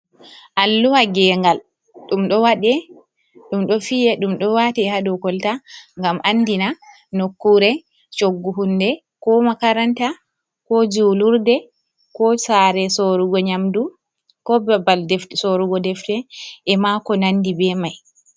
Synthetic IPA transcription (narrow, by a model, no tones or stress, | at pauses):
ʔalːuwaɡɛːŋɡal | ɗumɗɔwaɗɛ | ɗumɗɔfijɛɗumɗɔwatɛhaɗɔkɔltaŋɡamʔanːdina | nokːuɾɛ | t͡ʃoɡːuɦundɛ | kɔmakaɾanta | kɔd͡ʒuluɾdɛ | kɔsaɾɛsoɾuɡɔɲamdu | kɔbɛbaldɛfsoɾuɡɔdɛftɛʔɛmakɔnandibɛmaj